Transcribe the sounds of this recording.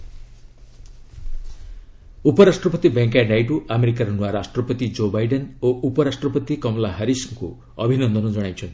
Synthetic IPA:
upɔɾasʈɾɔpɔt̪ibeŋkajnajʈuʔameɾik̬aɾɔnwaɾasʈɾɔpɔt̪id͡ʒobajɖenoʔupɔɾasʈɾɔpɔt̪ikɔmɔlaɦaɾisŋkṵ | ɔbʱinɔnd̪ɔnɔd͡ʒɔɽ̃ajt͡ʃʰɔnt̪i̥

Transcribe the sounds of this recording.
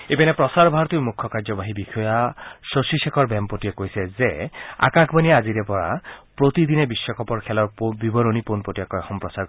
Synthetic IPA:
ebɛnepɾɔsaɾbʱaɾɔt̪iwmukʰːɔkaɾd͡ʒɔbaɦibikʰɔjasosisekʰɔɾbempoʈiekoɦjsezea̰kakʰbanieaziɾepɔɾa̰pɾot̪id̪inebiswɔkɔpɔɾkʰɛlɔɾpobibɔɾoniponpoʈibakɔjxɔmpɾɔsaɾ

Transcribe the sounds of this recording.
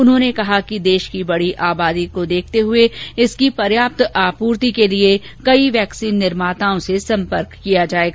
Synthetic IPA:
ʊnɦõːnekɐɦakid̪eːʃkibɐɽiʔaːbaːd̪ikod̪eːk̚ʰt̪eɦʊeɪskipɐɾjaːp̚t̪aːpuːɾt̪ikelie | kɐiʋɛːksiːnːɪɾmaːt̪aːõsesɐ̃mpəɾkːijad͡ʒaːeːɡaː

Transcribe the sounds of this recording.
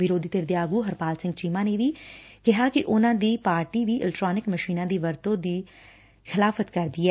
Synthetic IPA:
ʋɪɾoːd̪iːt̪ɪɾd̪jaːɡuːɦəɾpaːlsɪ̃ŋɡt͡ʃiːmãːneːʋiːkɪɦaːkɪʔʊnãːd̪iːpaːɾʈiːʋiːʔɪ̰lɛkʈɾaːnɪkməʃiːnãːd̪iːʋəɾt̪õːd̪iː | xʰɪlaːfʰət̪kəɾd̪iːɛː

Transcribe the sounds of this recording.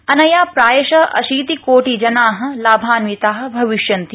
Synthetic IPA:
ɐnɐjaːpɾaːjɐʃɐʔɐ̰ʃiːt̪ikoːʈid͡ʒɐnaːɦɐ̆laːbʱaːnʋit̪aːɦɐ̆bʱɐʋiʃjɐnt̪i

